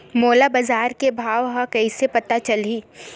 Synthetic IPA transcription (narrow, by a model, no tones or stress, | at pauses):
moːlabɐzaːɾkebʱaːʋɦãkɐisepɐt̪at͡ʃɐliː